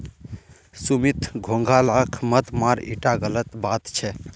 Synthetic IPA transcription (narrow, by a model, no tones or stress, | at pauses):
sumit̪ɡʱõŋɡʱalakʰmət̪maɾḭʈaɡələt̪bat̪t͡ʃʰɛ